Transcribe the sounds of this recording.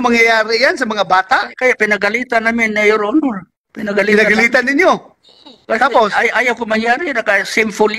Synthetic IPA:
maŋjajaːɾɪjansɐmɐŋabaːt̪aʔkajaʔpɪnɐɡalit̪anamɪnːajoɾʊnoɾ | pɪnaɡalinaɡalit̪anɪɲjo | kat̪aposajʔajawkomɐŋjaːɾɪnɐkasɪmfʊl

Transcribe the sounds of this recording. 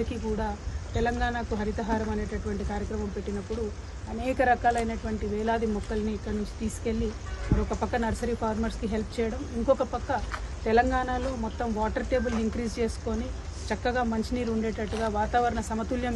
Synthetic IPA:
ikikuːɽaːt̪ɛlɐŋɡaːɳakuɦɐɾit̪ɐɦaːɾɐmɐne̞ːʈɐʈuʋɐɳʈikaːɾjɐkɾɐmɐmpe̞ʈːinɐpːuɽu | ɐnɛːkɐɾɐkaːlɐjnɐʈuʋɐɳʈiʋɛːlaːd̪imɔkːɐlɐniːkːɐɽnuɲt͡ʃi̥t̪iːsu̥ke̞lːimɐɾɔkɐpɐkːɐnɐɾsɐɾiːpʰaːɾmɐɾskiɦe̞lp̚ʰt͡ʃɛːjɐɽɐmiŋkɔkɐpɐkːɐt̪ɛlɐŋɡaːɳaːlo̞ːmɔt̪ːɐmʋaːʈɐɾʈe̞ːbulniŋkɾiːd͡ʒt͡ʃe̞ːsu̥ko̞ːnit͡ʃɐkːɐɡaːmɐɲt͡ʃiniːɾuɳɖeːʈɐʈːuɡaːʋaːt̪aːʋɐɾɐɳɐsɐmɐt̪uljɐm

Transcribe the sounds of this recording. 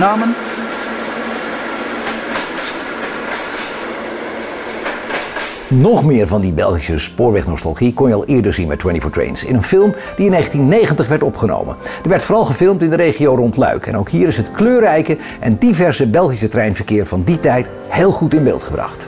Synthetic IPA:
naːmən | nɔχmɪːɹvɑndibɛlˠχisəspʊːɹʋɛχnɔstɑ̰lˠχikɔnjəɑ̰lˠʔɪːɹdəɹzinbɛ̰twɛntifɔɹtɹḛjnsɪ̰nənfɪlˠm | d̥iɪnːeχəntinːejχəntəχʋɛɹtɔpχəno̰wmə̰nd̥əʋɛɹtfoːɾɑlˠχəvɪlˠmtɪndəɾejχiowrɔntlœ̰ɥkɛ̰nowkɦiːɾɪsɦətkløːrɛjkə | ʔɛndivɛɹsəbɛlˠχisətrɛjnvəɹkɪːɹvɑnditɛjt | heːlˠχutɪnbɪ̰ːlˠtχəbrɑ̰χt

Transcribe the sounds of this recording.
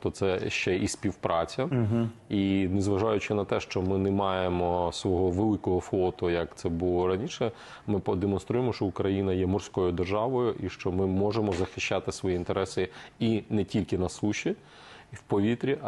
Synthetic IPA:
t̪ɔt̪sɛʃt͡ʃɛisʲpʲiwpɾɑt͡sʲɐinezʋɐʒɑjʊt͡ʃɪnɐt̪ɛʃt͡ʃɔmɪnɛmɑjemɔsʋɔɦɔʋelˠɪkɔɦɔflˠɔt̪ʊjɐkt̪sɛbʊlˠɔɾɐnʲiʃɛ | mɪpɔd̪emɔnst̪ɾujemɔʃt͡ʃɔʊkɾɐjinɐjɛmɔrsʲkɔjʊd̪erʒɑʋɔjʊʔiʃt͡ʃɔmɪmɔʒemɔzɐxɪʃt͡ʃːɑt̪ɪsʋɔjiint̪eɾɛsɪinɛtʲilʲkɪnɐsuʃʲi | wpɔʋʲit̪ɾʲi

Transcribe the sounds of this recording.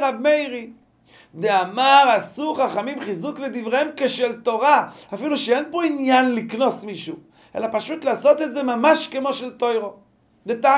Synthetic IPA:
ʁabmejʁi | d̪eamaʁasuχaχamimχizuklɛd̪ivʁeɛmkeʃɛlt̪oʁaafiluʃeɛnpoinjanliknosmiʃu | ɛ̰lapaʃut̪laːsɔt̪ɛtzemamaʃkemoʃɛltojʁo | deta

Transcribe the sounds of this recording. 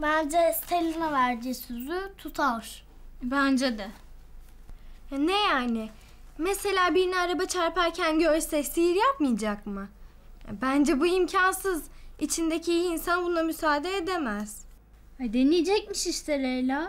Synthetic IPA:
bænʲd͡ʒɛst̪ʰelʲanavæɾd͡ʒisyzyt̪ʰut̪ʰaɾ̥ | bænd͡ʒɛd̪ɛ | nejaːnɪ | mese̞lʲaːbiɾnɛaɾabat͡ʃʰaɾpæɾcʰænɟøɾsɛsijiɾjapmɯjd͡ʒakmɯ | bænd͡ʒɛbuimcʰansɯzit͡ʃʰind̪ecʰiijiːnsanbunˠamysaːd̪eːd̪emæz̥ | d̪enijed͡ʒɛc̚miʃiʃt̪eɾejlʲɛ

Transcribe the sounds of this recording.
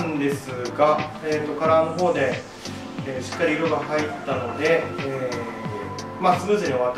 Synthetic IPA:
nd̪e̞sɨɡa | eːt̪ːo̞kaɾaːno̞ɦo̞ːd̪e̞ | eːɕi̥kːaɾʲiːɾo̞ɡahait̪ːano̞d̪e̞eː | masɨbɯsiɲʲeoβat̪

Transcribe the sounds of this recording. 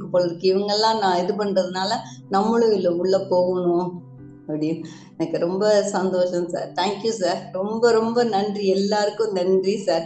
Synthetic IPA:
ɯpːoːɭɐɾɯkːɯɪʋɐŋɡɐɭlãːnãːɪðɯp̬ɐɳrɐðɯnaːlɐnɐmːʊɭɯɣɪlːɐʊɭːɐpoːɣɐɳʊ̃ | ɐpːɐɽɪjʊ̃ | ɛnɐkːɯɾɔmbɐsɐnd̪oːʃɐ̃msa̰ːɾt̪ʰaːŋkjusaːɾɾɔmbɐɾɔmbɐnɐndriɛlːaːɾɯkːʊ̃nɐndrisaːɾ

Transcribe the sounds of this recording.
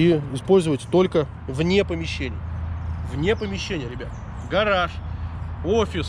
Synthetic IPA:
iɪspo̞lʲzəvətʲt̪o̞lʲkə | vnʲepəmʲɪɕːenʲɪjəvnʲepəmʲɪɕːenʲɪjəɾʲɪbʲat̪̚ | ɡɐɾaʂ | ofʲɪs

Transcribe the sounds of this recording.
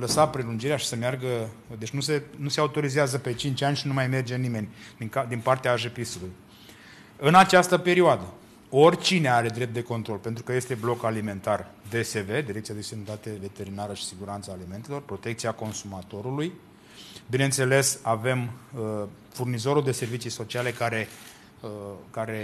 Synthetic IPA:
ləsapɾe̞lund͡ʒiɾeaʃi̥səmearɡəd̪e̞t͡ʃnuse̞nuseaut̪o̞ɾizeazəpe̞t͡ʃint͡ʃʲanʲʃinumajme̞rd͡ʒe̞nime̞nʲikad̪inpart̪eaːʒepisuluj | ɨnat͡ʃast̪əpe̞ɾioad̪ə | o̞rʲt͡ʃine̞aɾe̞d̪ɾe̞p̚t̪e̞ko̞nt̪ɾo̞lpent̪ɾukəje̞st̪e̞blo̞kalime̞nt̪ard̪e̞se̞ve̞d̪iɾekt̪siad̪esenət̪at̪eve̞t̪e̞ɾinaɾəʃi̥siɡuɾant̪saːlime̞nt̪e̞lo̞rpɾo̞t̪e̞k̚t̪siako̞nsumat̪o̞ɾuluj | bine̞nt̪se̞le̞save̞mə | furnizo̞ɾuld̪e̞se̞rvit͡ʃijso̞t͡ʃiale̞kaɾe̞ | əkaɾe̞

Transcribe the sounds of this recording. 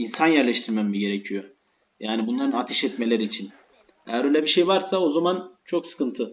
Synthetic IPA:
insanjæɾlʲɛʃt̪ʰiɾmɛmːiɟe̞ɾecʰijo̞ | jaːnibunlˠaɾɯnat̪ʰɛʃɛt̪me̞lʲeɾiːt͡ʃʰin | ejæɾbøjlʲɛbiʃejvaɾsao̞zamant͡ʃʰo̞ksɯ̥kʰɯnt̪ʰɯ

